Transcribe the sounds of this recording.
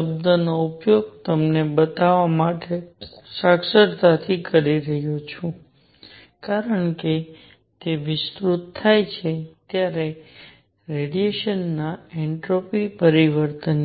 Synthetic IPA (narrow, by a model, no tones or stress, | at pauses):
əbd̪ənoupjoɡ̚t̪əmnebət̪aʋamaʈesaksəɾt̪at̪ʰikəɾiɾəɦjot͡ʃʰũ | kaɾəɳke | t̪eʋɪst̪ɾut̪ʰːajt͡ʃʰet̪jaɾe | ɾeɖijeʃənːaɛɳʈɾopipəɾiʋəɾt̪ən